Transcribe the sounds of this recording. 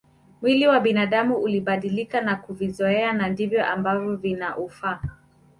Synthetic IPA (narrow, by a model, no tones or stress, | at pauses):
mwiliwaɓinaɗamuʔuliɓaɗilikanakuvizɔɛanandivjɔʔambavjɔvinaʔufa